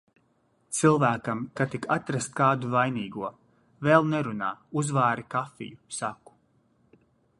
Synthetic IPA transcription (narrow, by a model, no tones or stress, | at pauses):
t̪silˠvæːkamkat̪ikat̪ɾast̪̚kaːd̪uvajniːɡuɔ | vɛlˠnɛɾunaːuzvaːɾikafḭjusaku̥